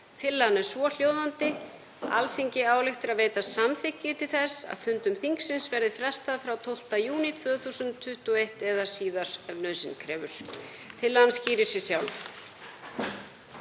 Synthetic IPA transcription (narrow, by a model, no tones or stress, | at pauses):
t̪ʰɪlːanɛɾ̥svɔl̥joːwðant̪ɪ | a̰lθiɲcɪaːwlɪxt̪ɪɾaðveːjt̪asamθɪhcːɪt̪ʰɪlθɛsa̰ðfʏnt̪ʏmθiŋksɪnsvɛɾðɪfɾɛst̪aðfɾawt̪ʰowl̥t̪ajuːnit̪ʰvœːɣθuːsʏntt̪ʰːʏht̪uejht̪ɛðḁsiːðaɾ̥ɛvnœðsɪnkʰɾɛːvʏɾ̥ | t̪ʰɪlːansciːɾɪ̥sɪsjawlf